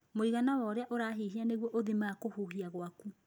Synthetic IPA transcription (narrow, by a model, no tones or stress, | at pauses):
moiɣanawɔɾeaʔoɾaːɦiɦianeɣwɔʔoðimaːkohuhiaɣwaku